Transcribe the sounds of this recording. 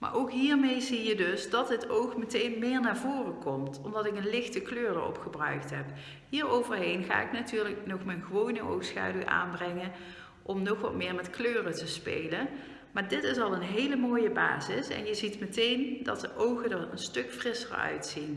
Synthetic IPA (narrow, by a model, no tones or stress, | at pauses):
ma̰ːɹʔowkɦiːɹmejzijədɵsdɑtdətowxmətejnmɪːɹnaːɹvoːrəkɔmtɔmdɑtɪkənlɪxtəkløːrəɔ̰pxəbrœ̰ɥktɦɛp | ɦiːɹowvəɹɦejnɣa̰ːɪknatyːɹləknɔxmənɣəʋownəʔo̰wxsxa̰ːdyʔa̰ːnbrɛŋən | ʔɔmnɔxʋɑ̰tmɪːɹmɛtkløːrətəspḛjlən | maːɹdɪtɪsɑlˠənɦejləmoːjəba̰ːzɪsɛ̰njəzitmətejndɑ̰t̚dəʔowɣədəɹə̰nstɵkfrɪsə̰ɹœ̰ɥtsin